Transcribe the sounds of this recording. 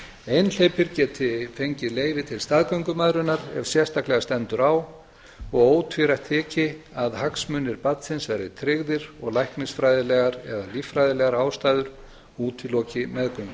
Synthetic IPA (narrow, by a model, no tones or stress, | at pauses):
ejnl̥ejpɪɾcɛːt̪ʰɪfejɲcɪleːjvɪt̪ʰɪlst̪aðkœɥŋkʏmaðɾʏnːaɾɛ̰v̥sjɛr̥st̪aklɛɣast̪ɛnt̪ʏɾaːw | ɔɣoːwt̪ʰviɾaht̪ʰːɛːcɪaðhaksmʏnːɪɾpat̪sɪnsvɛjɾɪ̰t̪ʰɾɪɣðɪɾɔɣlajhknɪsfɾaːjðɪlɛɣaɾɛ̰ðalifɾajðɪlɛɣaɾaːwst̪aːjðʏɾ̥ | uːt̪ʰɪlɔːcɪmɛðkœɥŋkʏ̥